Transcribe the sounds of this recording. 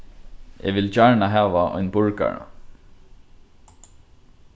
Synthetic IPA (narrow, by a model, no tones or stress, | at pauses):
ɛ̰ʋɪlt͡ʃaɹɳaɦaːʋaʔɔ̰jnbʊɹka̰ɹa̰